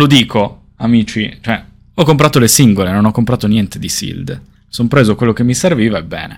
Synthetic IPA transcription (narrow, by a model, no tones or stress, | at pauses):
lod̪iːkʰo | amiːt͡ʃit͡ʃoɛ | ɔkːompɾaːt̪olesiŋɡolenonɔkːompɾaːt̪onjɛnt̪ed̪isḭld̪ | sompɾeːzokwelːokemːiserviːvaɛbːɛ̰ːnḛ